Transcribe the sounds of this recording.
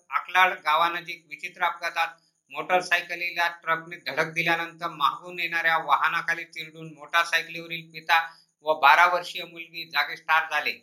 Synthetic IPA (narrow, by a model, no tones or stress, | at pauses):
əkʰlaɭɡaʋanəd͡ʑiːkʋit͡ɕit̪ɾəap̚ɡat̪at̪̚ | moʈəɾsajkəliljaʈɾəkned̪ʱəɽ̤ək̚d̪iljanənt̪əɾmaɦɡunjeɳ̃aɾjaʋaɦnakʰaliːt̪iɾɽuːnmoʈəɾsajkliʋəɾiːlpit̪a | ʋəbaɾaʋəɾʂiːəmulɡiːd͡zaɡesʈ̪ʰaɾd͡zʱale